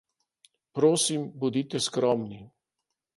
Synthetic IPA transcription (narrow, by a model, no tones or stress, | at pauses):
pɾoːsimbud̪iːt̪ɛskɾɔːmni